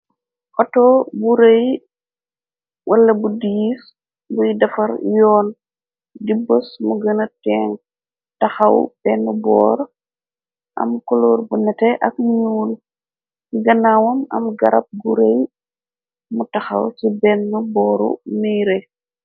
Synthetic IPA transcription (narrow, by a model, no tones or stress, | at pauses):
fɔtɔːbuɾej | wʔɐlːɐbudijs | bujdɐfɐɾjɔːn | dibɔsmuɡɐnɐtɛŋ | tɐxɐwbɛːnːubɔ̰ːɾ | ʔɐ̰mkuluːɾbunɛtɛʔɐk̚ɲuːl | ɡɐnawɐmɐ̰mɡɐɾɐp̚ɡuɾej | mutɐxɐ̰wsibɛnːubɔːɾṵmiɾe